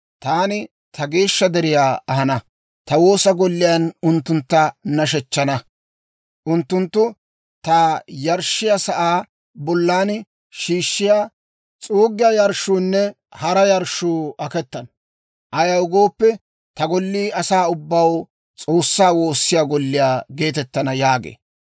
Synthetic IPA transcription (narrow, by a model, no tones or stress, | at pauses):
t̪aːnɪ | t̪ʰɐɡe̞ːʃːɐd̪ɛɾɪjaːʔɐɦɐnɐ | t̪ɐwo̞ːsɐɡɔlːɪjanʊnt̪ːʊnt̪ːɐnɐʃ̬ɛt͡ʃːɐnɐ | ʔʊnt̪ːʊnt̪ːʊ | t̪aːjɐɾʃːɪjasɐʔaː | bɔlːaːn | ʃiːʃːɪjaː | t͡sʼuːɡɪjaːjɐɾʃuːnːɛ | hɐɾɐjɐɾʃuːɐkɛt̪ːɐnɐ | ʔɐjɐwʊɡo̞ːpːɛ | t̪ɐɡɔlːiːɐsaːʊbːɐw | t͡sʼo̞ːsːaːwo̞ːsːɪjaːɡɔlːɪjaːɡe̞ːt̪ɛt̪ːɐnɐjaːɡḛː